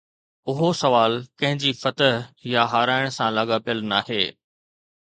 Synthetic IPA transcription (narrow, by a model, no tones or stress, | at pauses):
ʊɦosɐʋaːlkɐ̃ɦɪ̃ɲd͡ʑifɐt̪əɦjaɦaːɾaːɪɽ̃sãlaːɡapijəlnaːɦeː